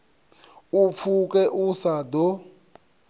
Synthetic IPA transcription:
up̪fʰukʼɛʔusad̪ɔ

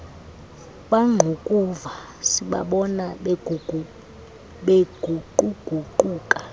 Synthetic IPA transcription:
ɓʼaŋ͡ǃʱokʼuva | siɓa̰ɓɔna | ɓeɡʱuǃuɡ̥ʱuǃuːkʼḁ

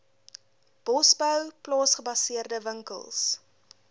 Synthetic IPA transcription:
b̥ɔsbəwplɑːsχəbɐsiərdəvəŋkə̰lˠs

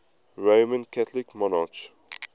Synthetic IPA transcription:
ɹomə̃nkʰæt̪ʰlikmɔnat͡ʃ

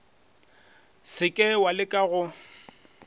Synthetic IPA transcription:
sɪkʼɛwalɪkʼaɣʊ

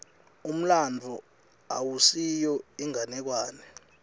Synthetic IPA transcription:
um̩land͡vʱɔ | awusijɔiŋanɛk̬waːnɛ

